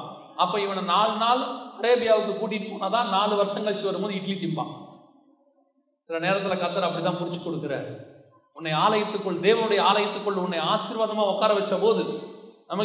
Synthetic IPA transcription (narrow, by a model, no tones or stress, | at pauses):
ɐpːoːɪʋɐnɐnaːlɯnaːlɯkɐɾeːbɪjaːʋɯkːɯkuːʈ̬ːɪʈːɯpoːnat̪ãːnaːlɯʋɐɾsɐŋɡɐɭt͡ʃɯʋɐɾɯmpoːðɯɪʈlit̪ɪmbã̰ː | sɪlɐneːɾɐt̪ːɪlɐkaːt̪ːɐːɾɐpːɐɽit̪̬ãːnpʊɽɪt͡ʃːɯ̥kːɔɽɯkːɯɾḛːɾ | ʊnːɐɪaːlɐjɐt̪ːɯkːɔɭːd̪eːʋɐnɯɽɐjɐaːlɐjɐt̪ːɯkːɔɭːɯʊnːɐɪaːʃɪɾʋaːðɐmaːɔkːaːɾɐʋɛt͡ʃːɐpoːðɯnɐmɐ